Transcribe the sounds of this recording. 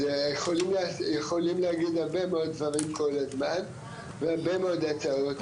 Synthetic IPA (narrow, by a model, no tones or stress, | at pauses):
ejeχolimlesjeχolimleaɡid̪haʁbemeod̪̚vaʁimko̞lazman | veaʁbemeod̪at͡saot̪